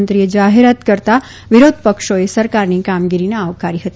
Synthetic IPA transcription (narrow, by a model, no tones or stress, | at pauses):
nt̪ɾied͡ʒaɦeɾat̪kəɾt̪a | ʋɪɾod̪ʱpəkʃoesəɾkaɾnikamɡiɾineaʋkaɾiɦət̪i